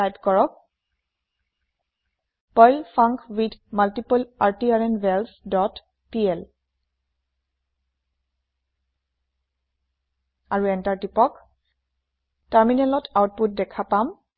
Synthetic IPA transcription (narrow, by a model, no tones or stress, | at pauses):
ajtkɔɹɔk̚ | pɔjlfʰaŋkwidmaltipɔlaɹtiaɹɛnbɛlsdɔt | piɛl | aɹuɛntaɹtipɔk | taɹminɛlɔtʰawt̚put̚dɛkʰapam